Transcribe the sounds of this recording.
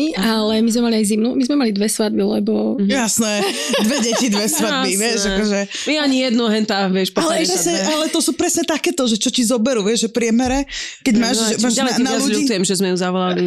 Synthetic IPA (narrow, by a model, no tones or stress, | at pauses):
iʔalɛmizmɛmaliajzimnumizmɛmalid̪ʋɛsʋad̪bilɛbɔjasnɛ | d̪ʋɛɟɛcid̪ʋɛsʋabiʋɪɛʃakɔʒɛ | miɛaɲijɛd̪nuɦɛnt̪aʋɪɛʃpalɛɛʃasɲɛʔalɛt̪ɔsuːpɾɛsɲɛt̪akɛːt̪ɔʒɛt͡ʃɔcizɔbɛɾuʋɛʒʒɛpɾɪɛmɛɾɛkɛɟmaʃʒɛmaalɛnaaluʎuit͡sujɛmʒɛzmɛjuzaʋɔlali